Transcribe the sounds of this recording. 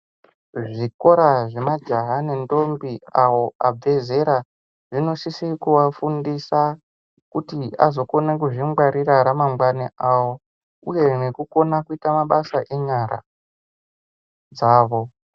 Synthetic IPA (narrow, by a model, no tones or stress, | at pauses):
ʐiko̞ɾaʐe̞mad͡ʒaɦanendo̞mbiawo̞ab͡ve̞ze̞ɾa | ʐino̞sisikuwafundisa | kutia̰zo̞ko̞nak̬uʐimɡaɾiɾaɾamamɡwaneʔawo | uje̞nekuko̞nakuitamaɓasaʔeɲaɾa̰ | d͡zaːʋo̞